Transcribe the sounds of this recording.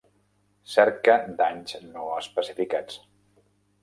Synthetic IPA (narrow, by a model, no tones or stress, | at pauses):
sɛɾkəd̪aɲznoəspəsifikat͡s